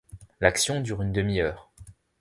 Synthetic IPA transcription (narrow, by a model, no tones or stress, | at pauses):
laksjɔ̃d̪yʁynd̪əmijœːʁ